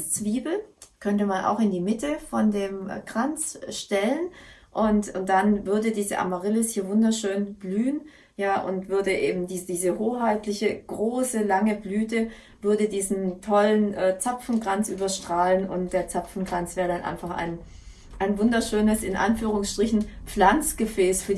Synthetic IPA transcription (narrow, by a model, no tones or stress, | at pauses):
t͡sv̥iːbl̩kʰœntəmanʔa̰ʊxɪndiːmɪtəfɔndeːmɡʁ̥ant͡sʃtɛlənʔʊntʊnd̥anvʏɐdədiːzə̰ʔa̰maʁɪlɪshiːɐvʊndɐʃøːnb̥lyːən | jaːʔʊ̰ntv̥ʏɐdəʔeːbm̩diːzdiːzəhoːhaɪtlɪçəɡ̥ʁoːsəlaŋəblyːtə | vʏɐdədiːzn̩tʰɔlənʔɛːt͡sapfn̩ɡʁant͡sʔyːbɐʃtʁ̥aːlənʊ̰ntd̥eːɐt͡sapfn̩ɡʁant͡sv̥eːʁədanʔa̰ɪnfaχa̰ɪn | ʔaɪnvʊndɐʃøːnəsɪnʔa̰nfyːʁ̞ʊŋsʃtʁ̥ɪçn̩pp͡flant͡sɡ̥əfɛːsfyːɐ